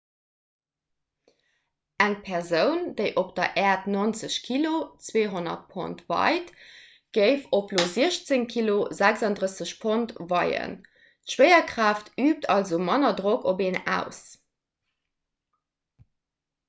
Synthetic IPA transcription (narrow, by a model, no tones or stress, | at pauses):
æŋpʰɛʁzəʊnd̥əɪʔopd̥ɐʔɛːɐtnont͡səɕkʰilot͡sweːɦonɐ̰t̚pʰo̰ntvɑ̰ɪt | ɡ̥əɪfoploːziəɕt͡səŋkʰilozækzɑndʁəsəɕpʰontvɑɪə̰n | tʃwəɪɐkʁaːftʰyːp̚tʰɑlzomɑnɐdʁokʰobeːnæ̰ʊs